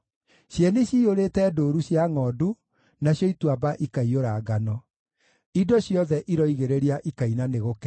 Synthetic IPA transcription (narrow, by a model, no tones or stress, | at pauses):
ɕjɛneɕioɾeːtɛdoːɾuɕjaŋɔdu | naɕjɔitwabaʔikaioɾaːɡanɔ | idɔɕjɔðɛʔiɾɔiɣeɾeɾiaʔikainaneɣokɛ